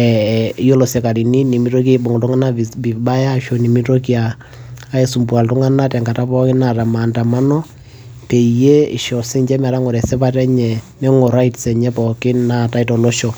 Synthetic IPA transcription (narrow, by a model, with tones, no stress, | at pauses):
ɛ˨˦jo˦lo˨sɛ˨ka˨ɾi˨ni˦ni˨mi˦ɾo˦k̬i˦ɓɔ˨ŋ˨tʊ˦ŋa˦na˦˨bi˨ɓa˦ja˦ʃo˨ni˨mi˦to˦ki˦aː˨˦ | e˦su˨mpwa˨ltʊ˦ŋa˦na˦tɛ˨ŋɡa˨ta˦pɔ˦kɪ˦na˨ta˨ma˨nta˨ma˦nɔ˦ | pe˨je˦ḭ˨ʃɔ˨si˦ɲd͡ʒɛ˦ma˨ɾa˦ŋɔ˨ɾɛ˨sɛ˦pa˦tɛ˦ɲɛ˨mɛ˦ŋo˨ɾa˦itsɛ˨ɲɛ˦pɔ˨kɪ˦na˨ta˦i˦tɔ˨lo˦ʃɔ˨